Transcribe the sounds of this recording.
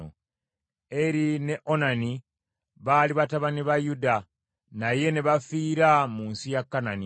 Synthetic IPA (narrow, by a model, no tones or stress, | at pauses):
o̰ | e̞ɾine̞ʔo̞nani | βaːliβataβaniβajuda | naje̞ne̞βafiːɾamuːnsijakːanani